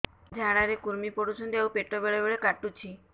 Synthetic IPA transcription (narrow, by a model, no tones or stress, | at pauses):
d͡ʒʱaɽ̃aɾekuɾmipoɽusʰɔnd̪ewpeʈːobeɭebeɭekaʈːut͡ʃʰi